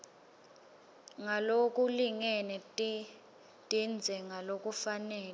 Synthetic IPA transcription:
ŋalok̬ʼuliŋɛnɛt | tʼind͡zʱɛŋalok̬ʼufanɛːlɛ

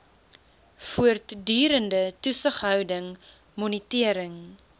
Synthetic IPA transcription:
fuərtdyːɾəndətusəχɦœwdəŋ | mɔnitiəɾəŋ

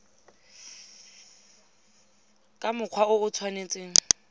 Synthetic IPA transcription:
kʼamʊq͡χʰwaʊʊt͡sʰwanet͡sʼeːŋ̩

